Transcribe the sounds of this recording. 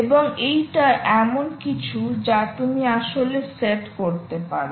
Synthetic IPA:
eboŋejʈaʔɛmonkit͡ɕʰud͡ʑat̪umiaʃoleseʈkoɾt̪epaɾ

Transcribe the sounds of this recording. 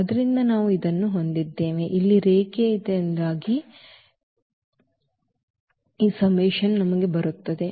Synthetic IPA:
ɐd̪ɐɾind̪ɐnaːʋuid̪ɐnːuɦo̞nd̪id̪ːe̞ːʋeʔilːiɾeːkeid̪eːnd̪aːɡi | iːsɐmʋɛːʃɐnnɐmɐɡe̞bɐɾut̪ːɐd̪e̞

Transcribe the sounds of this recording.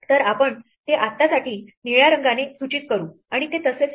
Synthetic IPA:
t̪əɾapəɳ | t̪eʔat̪ːasaʈiːniɭjaɾəŋɡanesut͡ɕiːt̪̚kəɾuː | aɽ̃it̪et̪əset͡s

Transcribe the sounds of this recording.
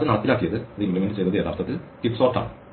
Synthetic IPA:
ɐðɨnɐɽɐt̪ːilaːkːijɐðɨɐðɨimplimenɖɨt͡ɕejnːɐðɨed̪aːɾt̪ɐt̪ːilkipsoːrʈːa̰ːɳɨ

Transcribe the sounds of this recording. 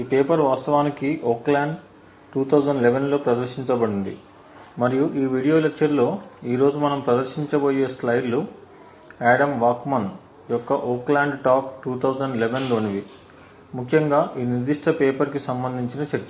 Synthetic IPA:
iːpeːpɐɾʋaːst̪ɐʋaːnikiʔoːklaːɳɖ | ʈuːt̪ʰɐwd͡ʒɐɳɖleʋenlo̞ːpɾɐd̪ɐɾʃiɲt͡ʃɐbɐɽind̪ḭ | mɐɾijuʔiːʋiːɽijo̞ːlekt͡ʃɐɾlo̞ːiːɾo̞ːd͡ʒumɐnɐmpɾɐd̪ɐɾʃiɲt͡ʃɐbo̞ːje̞ːslɐjlu | aːɽɐmʋaːkmɐn | jɔkːɐʔoːklaːɳɖʈaːp̚ʈuːt̪ʰɐwzɐɳɖleʋenloːniʋi | mukʰjɐŋɡaːʔiːniɾd̪iʂʈɐpeːpɐɾkisɐmbɐnd̪ʱiɲt͡ʃinɐt͡ʃɐɾt͡ʃɐ

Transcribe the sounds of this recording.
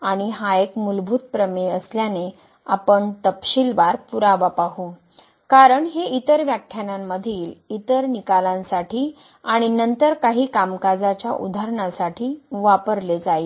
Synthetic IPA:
aɽ̃iɦaekmulbʱuːt̪̚pɾəmeəsljane | apəɳt̪əpɕilʋaɾpuɾaʋapaɦu | kaɾəɳɦeʔit̪əɾʋjakʰːjanamːəd̪ʱiːlit̪əɾnikalãnsaʈʰiː | aɽ̃inənt̪əɾkaɦiːkamkad͡zat͡ɕjaʔṵd̪ʱaɾɳasaʈʰiːʋapəɾled͡zaj

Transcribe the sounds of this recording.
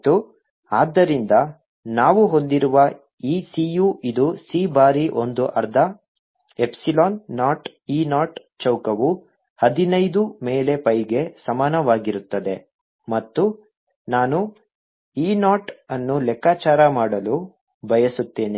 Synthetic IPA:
t̪ːu | aːd̪ːɐɾind̪ɐ | naːʋuɦo̞nd̪iɾuʋɐ | iːsijuid̪usiːbaːɾiʔo̞nd̪uʔɐɾd̪ʱɐ | epsiloːnːaːʈ | iːnaːʈ | t͡ʃɐwkɐʋu | hɐd̪inɐjd̪ume̞ːle̞pɐjɡe̞sɐmaːnɐʋaːɡiɾut̪ːɐd̪e̞ | mɐt̪ːu | naːnu | iːnaːʈɐnːulɛkːaːt͡ʃaːɾɐmaːɽɐlu | bʱɐjɐsut̪ːe̞ːni

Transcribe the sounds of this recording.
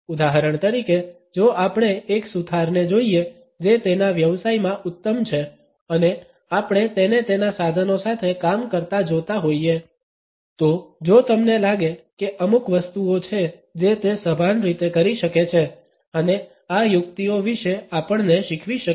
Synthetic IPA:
ud̪aɦəɾəɳ̃t̪əɾike | d͡ʒoʔapəɽ̃eːksud̪ʰʱaɾned͡ʒoie | d͡ʒet̪enaʋjəʋsaimãʔut̪ːəmt͡ʃʰe | əne | apəɽ̃et̪enet̪enasad̪ʱənosat̪ʰekamkəɾt̪ad͡ʒot̪aɦoie | t̪od͡ʒot̪əmnelaɡekeʔəmukʋəst̪uot͡ʃʰe | d͡ʒet̪esəbʱanɾit̪ekəɾiʃəket͡ʃʰe | əne | ajʊkt̪ioʋiʃeapəɳneʃɪkʰʋiʃə

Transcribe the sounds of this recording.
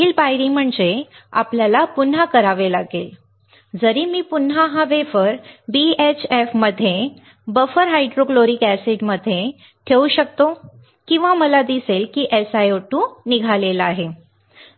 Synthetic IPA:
iːlpajɾim̤əɳd͡zea̰pljalapun̤ːakəɾaʋelaɡel | d͡zəɾiːmiːpun̤aɦãʋefəɾbiet͡ɕefməd̪ʱːje | bəfəɾɦajɖɾokloɾiːkæseɖməd̪ʱje | ʈʰeuɕək̚t̪o | kĩw̃ʋaməlad̪iselkiːʔesajoʈũːniɡʱalelaɦe

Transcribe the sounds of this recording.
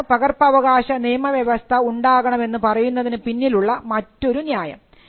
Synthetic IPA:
pɐɣɐrpɐʋɐɣaːɕɐnijɐmɐʋjɐʋɐst̪ʰɐuɳɖaːɣɐɳɐme̞nːɨpɐrɐjunːɐðinɨpinːiluɭːɐmɐtːo̞ɾunjaːjɐ̰m

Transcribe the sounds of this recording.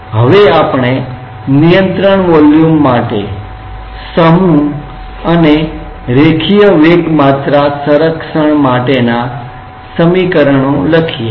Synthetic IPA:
ɦəʋeapɳe | nijə̃nt̪ɾəɳʋɔljumːaʈḛ | səmũ | əne | ɾekʰijəʋeɡmat̪ɾasəɾəkʂəɳmaʈena | səmikəɾəɳ̃õləkʰije

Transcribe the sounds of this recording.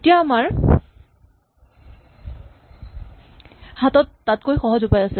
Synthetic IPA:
etijaːmaɹ | hatɔtːatkojxɔɦɔzʊpajasɛ

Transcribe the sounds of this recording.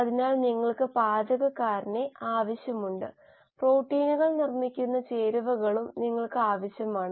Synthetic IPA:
ɐðinaːɭniŋːɐɭkɨpaːd͡ʑɐɣɐkːaːɾine̞aːʋɐɕjɐmuɳɖɨ | proːʈːiːnuɣɐɭnirmikʲːunːɐt͡ɕe̞ːɾuʋɐɣɐɭumniŋːɐɭkɨaːʋɐɕjɐmaːɳɨ

